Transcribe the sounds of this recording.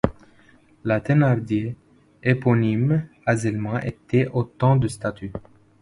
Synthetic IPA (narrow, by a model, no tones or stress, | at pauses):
lat̪enaʁd̪je | epɔnim | azɛlmɑ̃ʔet̪ɛʔot̪ɑ̃d̪əst̪at̪ʰy